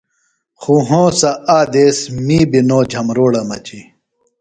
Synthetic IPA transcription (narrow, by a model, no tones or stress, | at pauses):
xuɦõːsɐaːd̪eːsmiːbinõːd͡ʑʱɐmɾoːɽɐmɐ̰t͡ɕi